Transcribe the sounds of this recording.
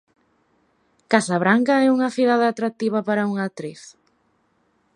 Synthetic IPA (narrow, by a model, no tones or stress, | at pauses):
kasaβɾaŋkɐɛuŋɐθiðaðɐːt̪ɾak̚t̪iβɐpaɾɐuŋat̪ɾiθ